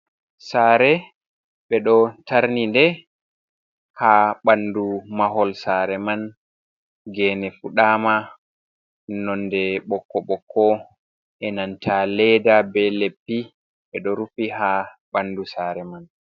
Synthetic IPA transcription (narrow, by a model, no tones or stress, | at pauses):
saːɾɛ | ɓɛɗɔtaɾnindɛ | haɓandumaɦɔlsaɾɛman | ɡɛnɛfuɗaːma | nɔndɛɓɔkːɔɓɔkʰːɔ | ʔɛnantʰalɛdabɛlepːi | ɓɛɗɔɾufiɦaɓandusaːɾɛman